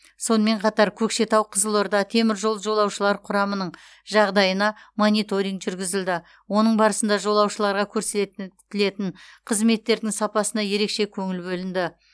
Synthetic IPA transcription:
so̞nəme̞ɴqʰɑt̪ɑɾkʲʰɵkʃe̞t̪ɑwqʰəzəlˠoɾd̪ɑt̪ʰe̞mɪɾʒo̞lˠʒo̞lˠɑwʃəlˠɑɾqʰʊɾɑmənəɴ | ʒɑʁd̪ɑjənɑmo̞nijt̪o̞ɾijŋkʒʏɾɡʲɪzɪld̪ɪ | wo̞nəɴbɑɾəsənd̪ɑʒo̞lˠɑwʃəlˠɑɾʁɑkʲʰɵɾset̪ɪle̞t̪ɪɴqʰəzme̞t̪ːe̞ɾd̪ɪŋsɑpɑsənɑje̞ɾe̞kʃe̞kʲʰɵŋɪlbɵlɪnd̪ɪ

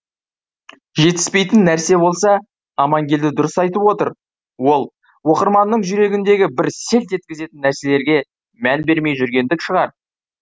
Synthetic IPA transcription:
ʒe̞t̪ɪ̥spe̞jt̪ɪnːæɾse̞bo̞lˠsɑ | ɑmɑŋɡʲe̞ld̪ɪd̪ʊɾəsɑjt̪əpwo̞t̪əɾ | wo̞lˠ | wo̞qəɾmɑnːəɴʒʏɾe̞ɡʲɪnd̪e̞ɡʲɪbɪɾse̞lt̪ʒet̪̚kʲɪze̞t̪ɪnːæɾse̞le̞ɾɡʲe̞ | mænbe̞ɾme̞jʒʏɾɡʲe̞nd̪ɪkʃəʁɑɾ

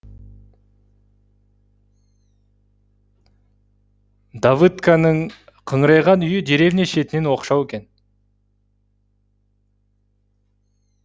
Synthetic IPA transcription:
d̪avɨt̪kanəɴqʰəɴɾɑjʁɑnʏjɪd̪e̞ɾe̞vneʃe̞t̪ɪne̞nwo̞qʃɑwekʲe̞n

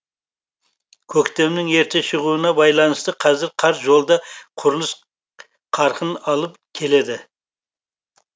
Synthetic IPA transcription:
kʲʰɵkt̪e̞mnɪŋe̞ɾt̪eʃəʁuənɑbɑjlˠɑnəst̪əqʰɑzɪɾqʰɑɾʒo̞lˠd̪ɑqʰʊɾlˠəs | qʰɑɾqʰənɑlˠəpkʲʰe̞le̞d̪ɪ

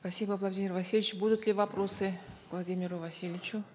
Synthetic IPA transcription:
spɐsʲibəvlˠɐdʲimʲɪrvɐsʲilʲɪt͡ɕbud̪ʊt̪lʲɪvɐpɾo̞sɨvlˠɐdʲimʲɪɾʊvɐsʲilʲɪt͡ɕʊ

